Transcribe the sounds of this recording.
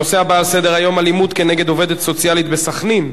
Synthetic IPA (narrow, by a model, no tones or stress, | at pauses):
oseabaːlse̞d̪e̞ʁajo̞malimud̪ke̞neɡe̞d̪o̞ve̞d̪et̪so̞t͡sialit̪be̞saχnim